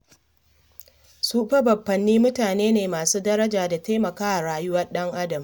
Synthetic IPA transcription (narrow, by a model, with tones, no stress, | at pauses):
suː˦ɸɐ˦bɐ˨bːɐ˨nːiː˦mʊ˦taː˨neː˦neː˨maː˨suː˦dɐ˦ɾɐ˦d͡ʒaː˨da˨ta˦mɐ˨kaː˦ʔa˨ɽaː˨jʊ˦wɐ˦rɗɐ˦ŋʔa˦dɐ˨m